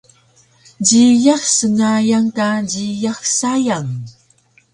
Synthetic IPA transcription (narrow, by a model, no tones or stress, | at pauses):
ɟijaxsəŋajaŋkaɟijaxsajaŋ